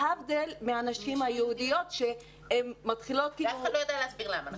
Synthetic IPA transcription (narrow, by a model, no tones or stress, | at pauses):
havd̪elmeanaʃimhajehud̪ijo̞t̪ʃe | hemːat̪χilo̞t̪̚killualojadejaleasbiʁlama